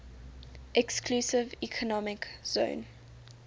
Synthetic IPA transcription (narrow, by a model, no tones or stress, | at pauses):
ʔɛkskʰlusɪvikʰɔnɔmɪkz̥õ̰ːn